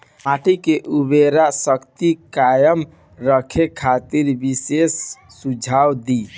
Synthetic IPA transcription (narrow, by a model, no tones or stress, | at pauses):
maʈʰikeʔubeɾasəkt̪ikajəm | ɾəkʰekʰat̪iɾbisesː | ud͡ʒʱawd̪i